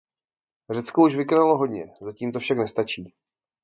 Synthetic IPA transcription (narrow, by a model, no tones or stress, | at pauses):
r̝ɛt͡skouʃvɪkonaloɦo̞dɲɛ̰zaciːmt̪ofʃaknɛst̪at͡ʃiː